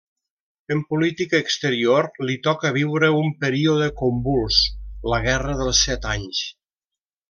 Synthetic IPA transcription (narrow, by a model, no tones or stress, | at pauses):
əmpulit̪ikəːkst̪əɾioɾlit̪ɔkəβ̞iwɾəumpəɾioðəkombulˠsləɣɛrəðəlˠsːɛt̪aɲs